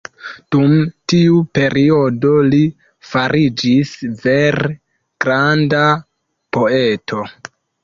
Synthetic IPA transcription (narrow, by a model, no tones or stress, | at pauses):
d̥umtiupe̞ɾio̞do̞li | faɾʔid͡ʒisve̞ɾ | ɡ̥ɾanda | po̞e̞tʰo̞